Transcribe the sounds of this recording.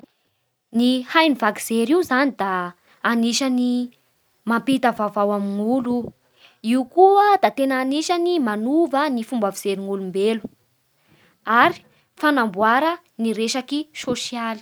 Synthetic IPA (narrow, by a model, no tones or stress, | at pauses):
nihajnivakiz̥eɾiwzanid̪aː | niʃani | mampit̪əvavawamiŋulu | iukuəd̪at̪enaːniʃanimanuvənifumbaviz̥eɾiŋulumbelu̥ | aɾi̥ | fanambuaɾə | niɾeʃakisoʃiali̥